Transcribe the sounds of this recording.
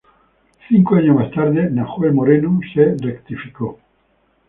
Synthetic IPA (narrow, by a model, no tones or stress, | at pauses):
θiŋkoaɲomast̪aɾðenaxoemoɾenuserekt̪ifiko